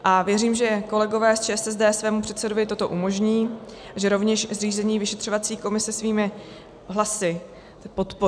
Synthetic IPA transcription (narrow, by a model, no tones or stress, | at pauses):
ʔavjɛɾiːmʒɛko̞lɛɡo̞vɛːst͡ʃɛːɛsɛzdɛːsvɛːmupr̥ɛt̪sɛdovɪt̪o̞t̪o̞ʔumo̞ʒɲiːaʒɛɾo̞vɲɛʃzriːzɛɲiːvɪʃɛt̪r̥ovat͡siːko̞mɪsɛsviːmɪ | ɦlasɪ | po̞t̪po